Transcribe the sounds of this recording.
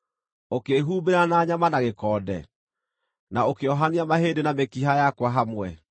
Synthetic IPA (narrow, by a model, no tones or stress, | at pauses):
okeɦuːmbeɾanaːɲamanaɣekɔːdɛ̰ | naokeɔɦaniamaɦeːdenamekiɦajakwaɦamwɛ